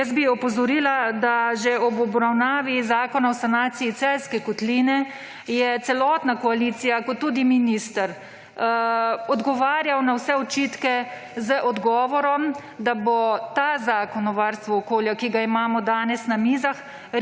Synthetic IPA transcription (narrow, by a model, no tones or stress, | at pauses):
əsbiɔpɔzɔɾiːlad̪aʒeɔbɔbɾawnaːʋizaːkɔnaɔsanaːsiit̪sɛlskɛkɔt̪linɛ | jɛt̪sɛlɔt̪nakɔalit̪sijakɔt̪ːuːd̪iminist̪əɾ | ɔd̪ɡɔʋaːɾjawnawsɛɔt͡ʃiːt̪kɛ | zəʔɔd̪ɡɔːʋɔɾɔm | d̪abɔt̪azaːkɔnɔʋaɾst̪ʋɔɔkoːljakiɡaimaːmɔd̪aːnɛsnamiːzax